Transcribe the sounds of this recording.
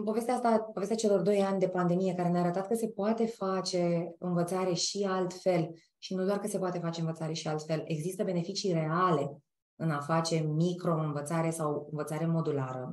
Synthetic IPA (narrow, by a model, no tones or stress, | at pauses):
ɨmpo̞ve̞st̪eaast̪apove̞st̪ʲat͡ʃe̞lo̞rd̪o̞janʲd̪e̞pand̪e̞mije̞kaɾeneaɾət̪at̪̚kəse̞poat̪e̞fat͡ʃe̞ɨnvət̪saɾe̞ʃialt̪fe̞l | ʃinud̪oarkəse̞poat̪e̞fat͡ʃeɨnvət̪saɾe̞ʃialt̪fe̞le̞ɡzist̪əbe̞ne̞fit͡ʃire̞ale̞ | ɨnafat͡ʃe̞mikɾo̞ɨnvət̪saɾe̞sawɨnvət̪saɾe̞mo̞d̪ulaɾə̰